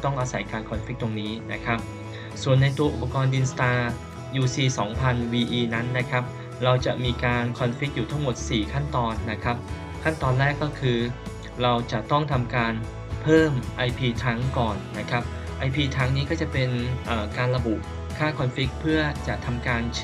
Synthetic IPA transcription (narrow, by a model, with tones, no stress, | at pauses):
t̪ɔ˥˩ŋʔaː˧sa˩˦jkaː˧nkʰɔ˧nfi˦˥k̚t̪o˧ŋniː˦˥na˦˥kʰɾa˦˥p̚ | su˨˩ənːa˧jt̪u˧əʔu˨˩pːa˧kɔː˧nʔi˧nst̪aː˧ | juː˧siː˧sɔː˩˦ŋpʰa˧nwiː˧ʔiː˧na˦˥nːa˦˥kʰa˦˥p̚ | ɾa˧wt͡ɕa˨˩ʔmiː˧kaː˧nkʰɔ˧nfi˦˥k̚juː˨˩t̪ʰa˥˩ŋmo˨˩t̪̚siː˨˩kʰa˥˩nt̪ɔː˧nːa˦˥kʰɾa˦˥p̚ | kʰa˥˩nt̪ɔː˧nɾɛː˥˩kːɔː˥˩kʰɯː˧ | ɾa˧wt͡ɕa˨˩t̪ɔ˥˩ŋt̪ʰa˧mkaː˧n | pʰɤː˥˩mʔa˧jpʰiː˧t̪ʰɾa˦˥ŋkɔː˨˩nːa˦˥kʰa˦˥p̚ | ʔa˧jpʰiː˧t̪ʰɾa˦˥ŋniː˦˥kɔː˥˩t͡ɕa˨˩pe˧nʔɤː˨˩kaː˧nɾa˧bu˨˩ | kʰːaː˥˩kʰɔ˧nfi˦˥k̚pʰɯ˥˩ɐt͡ɕa˨˩ʔt̪ʰa˧mkaː˧nt͡ɕʰ